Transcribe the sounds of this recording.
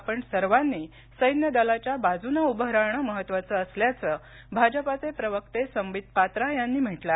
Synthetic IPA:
apəɳsəɾʋanːiː | səjnjəd̪əlat͡ɕjabad͡zunəubəɦɾaɳ̃əməɦət̪ːʋat͡səːsljat͡səː | bʱad͡ʑəpat͡sepɾəʋək̚t̪esəmʋid̪̚pat̪ɾajanːiːm̤əʈla

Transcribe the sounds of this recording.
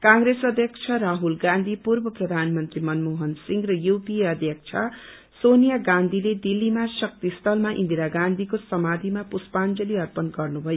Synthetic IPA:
kãŋɾesʌd̪ʱjʌkt͡sʰʌɾaɦulɡãnd̪ʱipurbʌprʌd̪ʱanmʌnt̪rimʌnmoɦʌnsiŋɡrʌjupiʌd̪ʱjʌk̚t͡sʰʌ | sonijaɡãnd̪ʱiled̪ilːimasʌk̚t̪ist̪ʰʌlmaʔḭnd̪iɾaɡãnd̪ʱikosʌmad̪ʱimapuspand͡zʌliʌrpʌnɡʌrnubʱʌjo

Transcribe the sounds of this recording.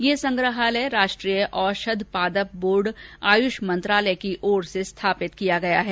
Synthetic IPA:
jesɐ̃ŋɡɾəɦaːlɛɾaːʃʈɾijəʔɔːɾʃɐd̪ʱpaːd̪əp̚boːɾɖaːjʊʃmɐ̃nt̪ɾaːləkiʔɔːɾsest̪ʰaːpɪt̪kijaɡɐjaɦɛː

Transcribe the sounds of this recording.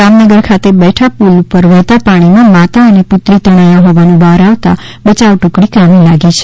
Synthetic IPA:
amnəɡəɾkʰat̪ebɛʈʰapulupəɾʋət̪apaɽ̃imãmat̪aəneput̪ɾit̪əɽ̃ajaɦɔʋanũbaɾaʋt̪a̰ | bət͡ʃaʋʈũkɽ̃ikamilaɡit͡ʃʰe̥

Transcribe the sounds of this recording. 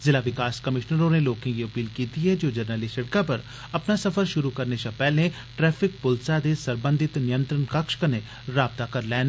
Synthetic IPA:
zɪlaʋɪkaːskɐmɪʃnəɾõneloːkẽɡiɐpiːlkiːt̪iɦɛd͡ʒoːd͡ʒɐɾnəlisɐʈkãpɐɾ | ɐpnasɐfəɾʃʊɾukɐɾnesãpɛːlẽ | ʈɾɛːpʰɪk̚pʊlsad̪esɐɾbə̃nd̪ʱɪt̪nɪjə̃nt̪ɾənkɐkʃkəne | ɾaːb̚t̪akɐɾlɛːn

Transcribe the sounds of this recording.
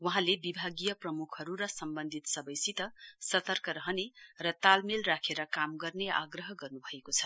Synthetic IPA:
wʌɦãlebibʱaɡijʌprʌmukʰʌɾuɾʌsʌmbʌnd̪ʱit̪sʌbʌjsit̪ʌsʌt̪ʌrkʌɾʌɦʌnerʌt̪almelrakʰeɾʌkamɡʌrnea̰ɡrʌɦʌɡʌrnubʱʌekot͡sʰʌ̥

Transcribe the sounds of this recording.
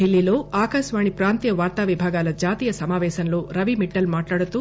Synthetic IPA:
ɖilːilo̞ːaːkɐʃʋaːɳipɾaːnt̪ijɐʋaːɾt̪aːʋibʱaːɡaːlɐd͡ʒaːt̪iːjɐsɐmaːʋɛːʃɐnlo̞ːɾɐʋimiʈːɐlmaːʈlaːɽut̪u

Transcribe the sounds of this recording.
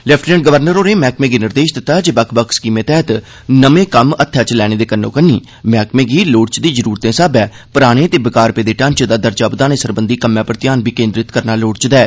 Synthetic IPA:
lɛpʰʈnɛ̃ːɳʈ̚ɡəʋəɾnəɾoːneːmɛːkmẽːɡiːnɪɾd̪eːʃd̪ɪt̪ːaːd͡ʒeːbəkʰbəkʰskiːmẽːt̪ɛːt̪ | nəmẽːkəmət̪ʰːɛt͡ʃlɛːɽ̃eːd̪eːkənːõːkənːḭː | mɛːkmẽːɡiːloːɽt͡ʃd̪iːzəɾuːɾt̪ẽːsaːbɛː | pʊɾaːɽ̃eːt̪eːbəkaːɾpeːd̪eːʈãːnt͡ʃd̪aːd̪əɾd͡ʒaːbd̪aːneːsəɾbənd̪iːkəmːjãːpəɾt̪ɪjaːnbiːkẽːnd̪ɾɪt̪kəɾnaːloːɽt͡ʃd̪ɛː

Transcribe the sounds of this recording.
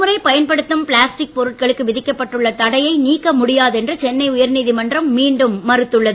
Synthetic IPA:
mɯɾɐɪpɐjɐnpɐɽɯt̪ːɯmpɭaːsʈɪk̚pɔɾɯʈ̚kɐɭɯkːɯʋɪðɪkːɐpːɐʈːɯɭːɐt̪ɐɽɐjɐɪniːkːɐmʊɽɪjaːðɛndrɯt͡ʃɛnːɐɪʊjɐɾniːðɪmɐndrɐmːiːɳɖɯmːɐɾɯt̪ːɯɭːɐðɯ

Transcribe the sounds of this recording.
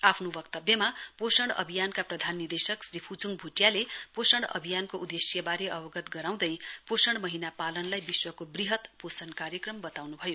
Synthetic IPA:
apʰnobʌk̚t̪ʌbjʌmaposʌɽ̃ʌ̰bʱijankaprʌd̪ʱanːid̪esʌksripʰut͡suŋbʱuʈjaleposʌɽ̃ʌ̰bʱijankoud̪esjʌbaɾeʔʌbʌɡʌt̪ɡʌɾaw̃d̪ʌjposʌɽ̃mʌɦinapalʌnlajbiswʌkobriɦʌt̪posʌnkaɾjʌkrʌmbʌt̪awnubʱʌjo

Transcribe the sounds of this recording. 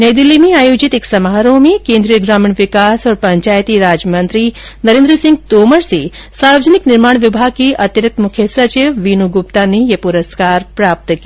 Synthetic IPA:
nɐjd̪ɪlːimẽaːjoːd͡ʒit̪eksɐmɦaɾõmẽkẽːnd̪ɾijəɡɾaːmɪɳʋɪkaːsɔːɾpɐɲt͡ʃaːjt̪iɾaːd͡ʒmɐ̃nt̪ɾi | nɐɾẽːnd̪ɾəsɪ̃ŋɡ̚t̪oːməɾse | saːɾʋəd͡ʒənɪknɪɾmaːɳ̃ʋɪbʱaːɡ̚kiʔɐt̪jəɾɐk̚t̪mʊkʰjəsɐt͡ʃiʋʋiːnuɡʊpt̪anejɐpuɾəskaːɾpɾaːp̚t̪ki

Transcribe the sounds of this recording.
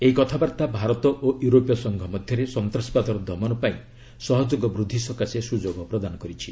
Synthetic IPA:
eikɔt̪ʰabaɾt̪abʱaɾɔt̪ɔʔoʔjuɾopjɔsɔŋɡʱɔmɔd̪ʱjɔɾesɔnt̪ɾɔspad̪ɔɾɔd̪ʱɔmɔnɔpaĩ | sɔɦɔd͡ʒoɡɔbɾud̪ʱːisɔkasesud͡ʒoɡɔpɾɔd̪anɔkɔɾit͡ʃʰi

